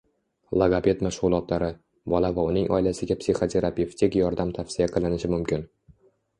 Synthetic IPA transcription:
lˠoɡape̞t̪maʃʁʊlˠɒt̪laɾɪ | bɒlavaʊnɪŋʔɒ̰jlasɪɡʲapsiχot̪ʰe̞ɾapeft̪ʰɪkjɒɾd̪amt̪ʰafsɪjaqʰɨlˠɪnɪʃɪmʊmkʲɪn

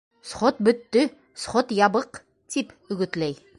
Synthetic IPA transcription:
sχot̪̚bɵ̆t̪ːɵ | sχot̪jɑbɤq | t̪ip | ɵ̆ɡɵ̆t̪læj

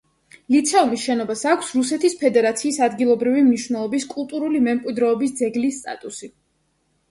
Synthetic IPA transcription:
lit̪sʰɛumisʃɛnɔbasakʷʰsɾusɛt̪ʰispʰɛd̪ɛɾat̪sʰiːsad̪ɡilˠɔbɾivimniʃvwnɛlˠɔbiskʼulˠt̪ʼuɾulimɛmkʼwid̪ɾɛːbis̬d̪zɛɡlist̪ʼa̰t̪ʼusi

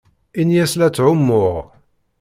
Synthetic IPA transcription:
injæslæt͡sːʕʊmːʊʁ

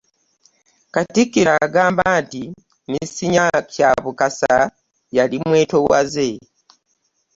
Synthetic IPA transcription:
katikːiɾaɡaːmbaːnti | nisiɲakʰjaːβukasa | jalimwe̞ːto̞wa̰ze

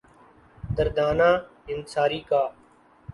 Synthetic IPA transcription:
d̪əɾd̪aːnaː | ɪnsaːɾiːkaː

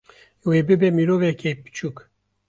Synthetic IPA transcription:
webɨbɛmiɾovɛkʰepɨ̥t͡ʃʰuk

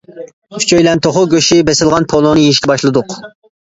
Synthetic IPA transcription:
y̥t͡ʃʰøjlɛnt̪ʰoχʊɡʲøʃibɛsɪlˠʁɑnpʰolˠonɨjeʃkʲɛbɑʃlˠɨd̪ʊq

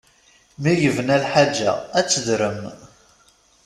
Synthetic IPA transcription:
mijəvənælħad͡ʒːæ̰æt͡sːəðɾəm

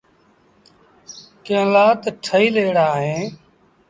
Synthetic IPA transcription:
kẽːlaːt̪ʈʰəiːleːɽaːɦẽː

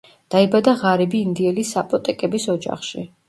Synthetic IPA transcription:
d̪̥aibad̪aʁaɾɛbiːnd̪iɛlisːapʼɔt̪ʼɛkʼɛbisɔd͡ʒa̰χʃḭ

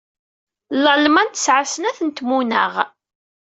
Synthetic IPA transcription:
ləlmænt̪ə̥sʕasənæθənt̪munəʁ

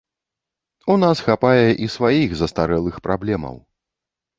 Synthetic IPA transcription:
unasxapajɛʔisvajiɣzɐst̪aɾɛlˠɨxpɾablʲɛmɐ̰w

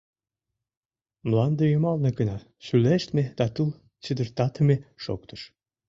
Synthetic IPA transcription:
mlɑnd̪ejymɑlnekənɑ | syleʃt̪med̪̥ɑt̪ul | t͡ɕəd̪ə̆rt̪ɑt̪ə̆meʃo̰kt̪ə̥ʃ

